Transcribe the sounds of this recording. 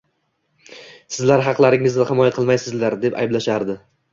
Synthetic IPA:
sɪzlaɾɦɑqlˠaɾɪŋɪznɪχɪmɒjaqʰɨlˠmajsɪzlaɾd̪e̞pa̰jblaʃaɾd̪ɪ

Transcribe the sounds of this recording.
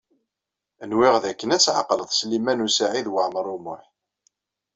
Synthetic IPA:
ənwɪʁðækːənæt͡sːʕa̰qləðˤslimænusaʕiðwəʕməɾˤumʊħ

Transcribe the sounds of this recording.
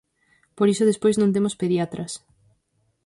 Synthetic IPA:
poɾisoðespojznõnt̪emospeðjat̪ɾʔɐs

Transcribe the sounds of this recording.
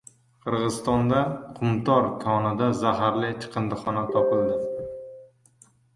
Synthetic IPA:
qʰɨɾʁɨzɨst̪ɒnd̪aqʰʊmt̪ʰɒɾkʰɒnɪd̪azaɦaɾlɪt͡ʃʰɨ̥qʰɨnd̪ɨχɒnat̪ʰɒpɪlˠd̪ɪ

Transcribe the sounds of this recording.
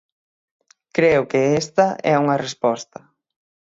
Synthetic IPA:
kɾeʊkɪest̪ɐʔɛuŋɐrespɔst̪ɐ

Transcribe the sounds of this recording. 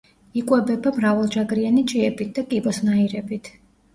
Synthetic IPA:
ikʼwɛbɛbamɾavalˠd͡ʒaɡɾianit͡ʃʼiɛbit̪̚ʰd̪akʼibɔsnaiɾɛbit̪ʰ

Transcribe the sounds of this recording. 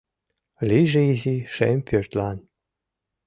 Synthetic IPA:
liʒeiziʃḛmʲpʲørʲt̪lɑn

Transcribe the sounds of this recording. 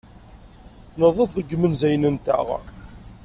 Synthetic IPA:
nəðˤəfðəɡːmənzæjnənt̪æ̰ʁ

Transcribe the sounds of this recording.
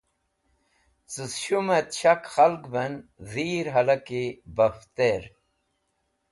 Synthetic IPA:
t͡sɨsɕumet̪ɕɐkxɐlɡbɐnziːɾɦɐlɐkibɐft̪eɾ

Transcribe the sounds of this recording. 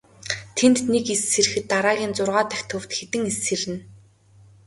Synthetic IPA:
t̪ʰent̪nekesːerɘ̆xɘ̆t̪ːaɾaːɣʲiːnt͡sʊrʁaːt̪æxʲt̪ʰɵw̥t̪xet̪ɘ̆ŋeseɾɘ̆n

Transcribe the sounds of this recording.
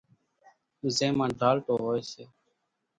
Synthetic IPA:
izẽːmãːnɖʱaːlʈ̪oːɦoːeːseː

